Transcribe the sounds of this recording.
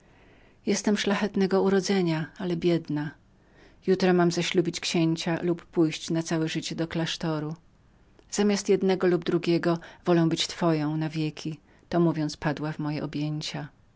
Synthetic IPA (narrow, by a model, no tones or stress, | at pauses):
jɛst̪ɛmʂlaxɛt̪nɛɡɔuɾɔd̪zɛɲaalɛbʲjɛd̪na | jut̪ɾɔmamzaɕlubʲit͡ɕkɕeɲt͡ɕalupːujɕt͡ɕnat̪sawɛʐɘt͡ɕɛd̪ɔklaʂt̪ɔɾu | z̥amʲast̪jɛd̪nɛɡɔlub̚d̪ɾuɡʲɛɡɔvɔlɛ̃w̃bɘt͡ɕt̪fɔjɔ̃w̃navʲjekʲʰi | t̪ɔmuvʲjɔnt̪spad̪wavmɔjɛʔɔbʲjeɲt͡ɕa